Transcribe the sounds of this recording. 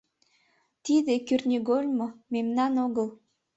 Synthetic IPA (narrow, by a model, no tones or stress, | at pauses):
t̪id̪ekyrnʲiɣolʲmomemnɑnoɣəl